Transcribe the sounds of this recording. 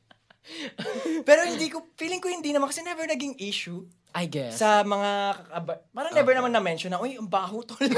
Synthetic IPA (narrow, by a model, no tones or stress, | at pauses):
pɛːɾo̞hɪnd̪iːkofiːlɪŋkohɪnd̪inɐmankɐsɛnɛvɛɹnɐɡɪŋʔiːʃʊ | ajɡɛsɐmɐŋakɐkɐbɐpaːɾaŋnɛbɛɹnɐmanɐmɛnʃonːɐʔojɐmbaɐɦuːt̪ol